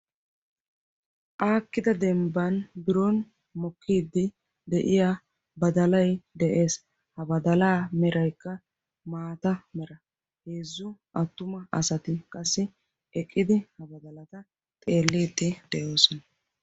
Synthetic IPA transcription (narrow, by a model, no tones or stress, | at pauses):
ʔaːkːɪd̪ɐd̪ɛmbɐnbɪɾɔn | mɔkʰːiːd̪ːɪ | d̪ɛʔɪja | bɐd̪ɐlɐjd̪ɛʔe̞ːs | hɐbɐd̪ɐlaːmɛɾɐjkːɐ | maːt̪ɐmɛɾɐ | heːzːʊʔɐt̪ːʊmɐʔɐsɐt̪ɪkʼɐsːɪ | ɛkʼːɪd̪ɪhɐbɐd̪ɐlɐt̪ɐ | t̪ʼe̞ːlːiːt̪ːɪd̪ɛʔo̞ːsɔnɐ